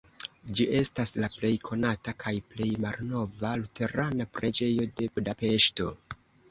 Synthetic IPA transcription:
d͡ʒiʔe̞staslaple̞jkʰo̞natakʰajple̞jmalno̞valute̞ɾanapɾʔe̞d͡ʒe̞jo̞de̞budape̞ʃto̞

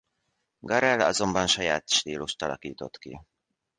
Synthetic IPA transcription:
ɡɒɾɛlɒzo̞mbɒnʃɒjaːt̪ʃt̪iːloʃt̪ɒlɒ̰kiːt̪o̞̰t̪kḭ

